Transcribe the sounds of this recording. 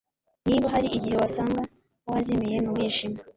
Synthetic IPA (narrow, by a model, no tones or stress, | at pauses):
niβaɦaɾiʔiɟihe̞wasaːŋɡa | kohazemeje̞nuwiːʃima